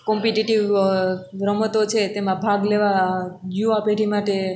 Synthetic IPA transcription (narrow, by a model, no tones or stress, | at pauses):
kɔmpiʈiʈiʋ | ɾəmət̪ot͡ʃʰet̪emãbʱaɡleʋad͡ʒjuapeʈimaʈe